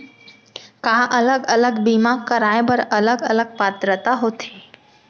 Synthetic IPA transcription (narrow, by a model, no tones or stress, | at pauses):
kãʔələɡələɡbimakːəɾajbəɾələɡələɡ̚pat̪ɾət̪aɦot̪ʰi̥